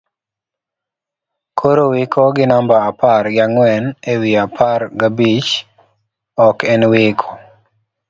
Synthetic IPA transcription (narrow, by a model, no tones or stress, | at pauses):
kʰoɾowɪkʰoɡɪnambaapaɾɡaŋwɛnewiapʰarɡabit͡ʃ | ɔkɛnwɪkʰɔ̥